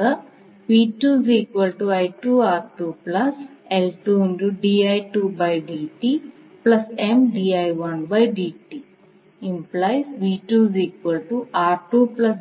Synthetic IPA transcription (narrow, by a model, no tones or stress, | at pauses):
ɐ | ʋiːʈuːziːkʋɐlʈuɐjʈuːaːɾʈuːplɐselʈuːnɖuɖiːɐjʈuːbɐjɖiːʈiː | plɐsemɖiːɐjʋɐnbɐjɖiːʈiː | implajsʋiːʈuːziːkʋɐlʈuʔaːɾʈuːplɐs